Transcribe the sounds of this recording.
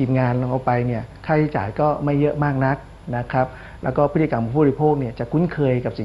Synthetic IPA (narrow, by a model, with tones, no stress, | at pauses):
iː˨˩m̚ŋaː˧nla˧ŋʔa˨˧wpa˧jni˥˩ɐkʰaː˥˩jaː˦˥˩t͡ɕa̰ː˨˩jkɔː˥˩ma˥˩jːɤ˦˥ʔmaː˥˩k̚na˦˥k̚ | na˦˥kʰɾa˦˥p̚ | lɛ̰ː˦˥wkɔː˥˩pʰt̪ʰːi˨˧a˧mpʰːi˦˥pʰoː˥˩k̚ni˥˩ət͡ɕa˨˩kʰu˦˥nkʰɤː˧jka˨˩p̚si˨˩˦